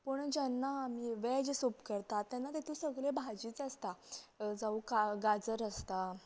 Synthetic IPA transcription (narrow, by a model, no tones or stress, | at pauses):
pəɳd͡ʑanːaːmiːʋɛd͡ʑesopkəɾt̪at̪ːjanːat̪ɛt̪ʰũsəɡɭebʱad͡ʑiːt͡səst̪ad͡zaukaɡad͡zəɾəst̪a